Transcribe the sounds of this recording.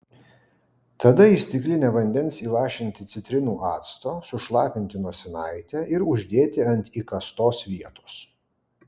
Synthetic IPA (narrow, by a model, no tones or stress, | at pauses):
t̪ɐd̪ɐisʲt̪ʲɪklʲɪnʲɛːʋɐnʲd̪ʲɛnsiːlˠɑːʃʲɪnʲt̪ʲɪt̪sʲɪt̪ʲɾʲɪnuːʔɑːt̪st̪oːsʊʃlˠɑːpʲɪnʲt̪ʲɪnuɔsʲɛnɐɪt̪ʲɛʔɪɾʊʒʲd̪ʲeːt̪ʲɪɐnʲt̪ʲiːkɐst̪oːsʋʲiɛt̪oːs